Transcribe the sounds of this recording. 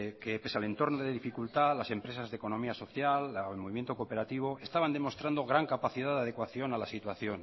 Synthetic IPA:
kepe̞sale̞nt̪o̞ɾnoðeðifikult̪alase̞mpɾe̞sazðeko̞no̞miaso̞θjalmo̞βimjent̪o̞kope̞ɾat̪iβ̞oe̞st̪aβand̪emo̞st̪ɾand̪o̞ɣ̞ɾaŋkapaθiðaðeað̞ekwaθjo̞nalasit̪waθjo̞n

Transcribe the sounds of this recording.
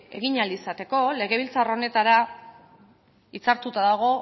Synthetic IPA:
e̞̰ɣ̞iɲalisat̪e̞ko̞le̞ɣe̞β̞ilt͡saro̞ne̞t̪aɾa | it͡saɾt̪ut̪aðaɣ̞o̞

